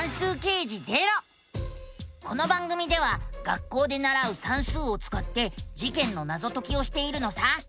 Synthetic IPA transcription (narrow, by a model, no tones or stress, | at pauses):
ãɰ̃sɨːke̞ːʑize̞ɾo̞ | ko̞no̞bãŋɡɯ̟mʲid̪e̞β̞aɡ̥akːo̞ːd̪e̞naɾaɯ̟sãɰ̃sɨːo̞t͡sɨ̥kat̪ːe̞d͡ʑikẽ̞nːo̞nazo̞t̪o̞kʲio̞ɕi̥t̪e̞iɾɯ̟no̞sa